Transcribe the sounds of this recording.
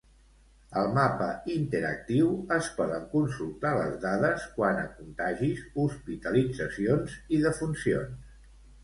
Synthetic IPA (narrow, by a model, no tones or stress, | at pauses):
əlˠmapəint̪əɾə̰k̚t̪iwəspɔðəŋkunsulˠt̪aləzðaðəskwanə̰kunt̪aʒisuspit̪əlid͡zəsionziðəfunsions